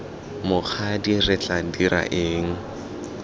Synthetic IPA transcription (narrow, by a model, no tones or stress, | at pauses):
mʊk͡xʰadirɪt͡ɬʼadiɾa̰ʔeːŋ̩